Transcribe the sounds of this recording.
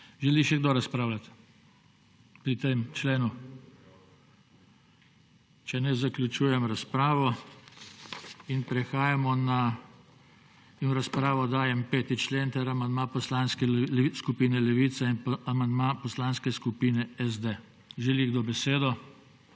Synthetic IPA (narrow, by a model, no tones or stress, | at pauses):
ʒɛliʃɛɡd̪oːɾaspɾaːʊlat̪ | pɾit̪emt͡ʃleːnu | t͡ʃɛnɛzaklʲjut͡ʃuːjɛmɾaspɾaːʋɔ | inpɾɛxaːjamɔna | inɾaspɾaːʋɔd̪aːjɛmpeːt̪it͡ʃleːnt̪ɛɾamand̪mapɔslanskɛskupiːnɛlɛʋit̪sainːmand̪mapɔslanskɛskupiːnɛɛzd̪e | ʒɛliɡd̪obɛseːd̪ɔ